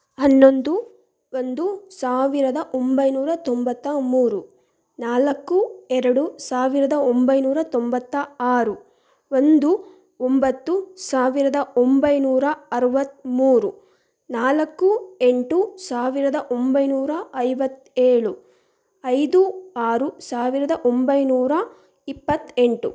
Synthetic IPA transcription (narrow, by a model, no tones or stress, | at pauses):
ɦɐnːo̞nd̪u | ond̪usaːʋiɾɐd̪ɐʔo̞mbɐjnuːɾɐt̪ombɐt̪ːɐmuːɾu | naːlɐkːuɛɾɐɽusaːʋiɾɐd̪ɐombɐjnuːɾɐt̪ombɐt̪ːɐaːɾu | ond̪u | ombɐt̪ːusaːʋiɾɐd̪ɐombɐjnuːɾɐɐɾɐʋɐt̪ːmuːɾu | naːlɐkːueɳʈusaːʋiɾɐd̪ɐʔombɐjnuːɾɐɐjʋɐt̪ːeːɭu | ɐjd̪uaːɾusaːʋiɾɐd̪ɐʔombɐjnuːɾɐ | ipːɐt̪ːeɳʈu